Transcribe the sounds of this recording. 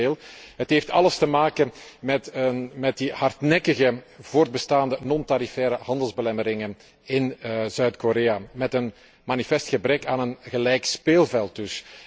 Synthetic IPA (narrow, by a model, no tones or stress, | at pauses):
eːlˠɦətɦeftʰɑ̰ləstəmaːkənmɛtəmɛt̚dihɑrtnɛkəɣəvoːrd̚bəstaːndənɔntaɾifɛːɾəɦɑndəlˠzbəlɛməɾɪŋən | ɪnzœɥtkoɾeːamɛtən | manifɛstxəbrɛkaːnənɣəlɛjkspeːlˠvɛlˠt̚ɵs